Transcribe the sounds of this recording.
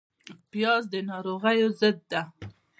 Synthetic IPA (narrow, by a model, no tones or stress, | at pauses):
pjɑzd̪ənɑɾoɣajozəd̪̚ːa